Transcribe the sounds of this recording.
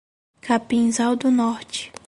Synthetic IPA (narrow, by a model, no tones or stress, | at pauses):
kapĩnzawd̪ʊnɔɾt͡ʃɪ̥